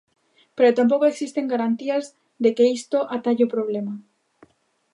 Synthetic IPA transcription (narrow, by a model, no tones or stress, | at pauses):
peɾot̪amp̬okoeksist̪eŋɡaɾant̪iaz | d̪ekeist̪oʔat̪aʎopɾoβ̞lema